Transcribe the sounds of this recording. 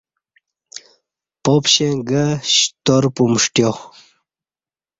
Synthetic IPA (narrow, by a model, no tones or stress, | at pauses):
popɕẽŋɡəɕt̪oɾpumʂʈjo